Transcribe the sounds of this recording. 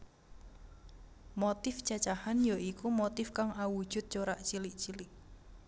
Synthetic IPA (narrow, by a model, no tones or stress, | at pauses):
mot̪ɪfd͡ʒ̥at͡ʃahanjaʔikumot̪ɪfkaŋawu̥ʒ̥ʊ̤t̪̚t͡ʃoɾaʔt͡ʃiliʔt͡ʃilɪʔ